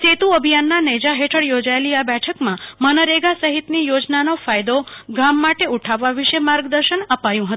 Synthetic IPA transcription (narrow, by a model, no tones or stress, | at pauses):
t͡ʃet̪uəbʱijanːanəd͡ʒaɦeʈʰəɽjod͡ʒaeliabɛʈʰəkmãmənəɾeɡasəɦit̪nijod͡ʒnanofajd̪oɡamːaʈeuʈʰaʋːaʋiʃemaɾɡd̪əɾʃənəpajũɦət̪ũ